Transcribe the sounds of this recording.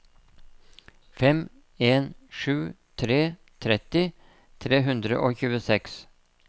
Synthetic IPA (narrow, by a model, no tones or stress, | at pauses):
fɛm | eːnʂʉː | t̪ʰɾeː | t̪ʰɾɛt̪ɪ | t̪ʰɾeːɦʉnd̪ɾə̰ʔoːçʉːəsɛks